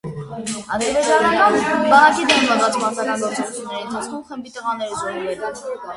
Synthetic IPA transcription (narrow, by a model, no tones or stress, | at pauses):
ɑd̪əɾd͡ʒɑnɑnɑnbɑnɑkid̪ɛmmɑzɑt͡smɑsɑkɑnɡɔɾt͡sɔɾut͡sʰjunːɛɾiənt̪ʰɑt͡sʰkʰɔmχəmbit̪əʁɑnɛɾzɔɾuvɛk̪ɑn